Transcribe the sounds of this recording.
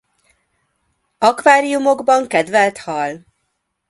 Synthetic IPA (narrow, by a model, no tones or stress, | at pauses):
ɒkʋaːɾijumo̞ɡbɒŋkɛd̪vɛlt̪hɒl